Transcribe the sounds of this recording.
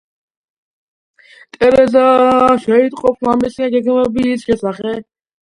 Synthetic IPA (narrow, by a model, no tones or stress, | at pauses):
t̪ʼɛɾɛzaʃɛit̪ʼqʼɔpslamɛsiãɡɛɡmɛbiːsʃɛsaχɛ